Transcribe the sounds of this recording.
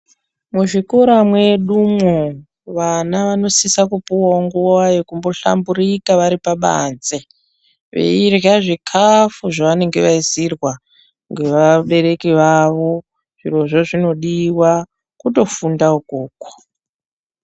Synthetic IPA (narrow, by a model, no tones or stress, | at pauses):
muʐikoɾamwe̞ɗumwo | ʋanaʋano̞sisakupuwauŋɡuwajekumbo̞ɬa̰mbuɾikaʋaɾipaɓa̰nze | ʋe̞̰irjaʐikʰafuʐaʋane̞ŋɡe̞ʋaisirwa | ŋɡe̞ʋaɓe̞ɾe̞kiʋaʋo̞ | ʐ̥iro̞ʐoʐino̞ɗiwa | kuto̞fundaukuːkwo̥